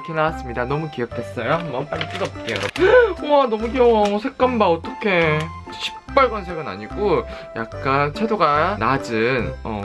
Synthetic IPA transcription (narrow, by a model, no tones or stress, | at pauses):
kʰenawas͈ɯmɲidanʌmukijʌkʰes͈ʌjoɦambʌnp͈aɾit͈ɯdʌp̚k͈ejo̰oanʌmuɡioʌsʰe̞k̚k͈ʌmbaʌt͈ʌkʰe̞ | ɕʰi̥p̚p͈ʌɭɡwansʰeɡɯna̰ɲiɡoja̰k̚k͈ant͡ɕʰe̞doɡanad͡ʑɯnʌ̰